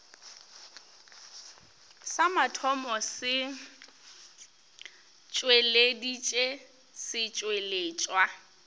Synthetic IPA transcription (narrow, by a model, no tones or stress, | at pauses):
samatʰɔmɔsɪ | t͡ʃʼweledit͡ʃʼe | sɪt͡ʃʼweleːt͡ʃʼwa